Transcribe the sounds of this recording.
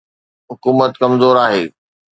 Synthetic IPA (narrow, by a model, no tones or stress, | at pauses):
ɦʊkuːmət̪kɐmzoːɾaːɦeː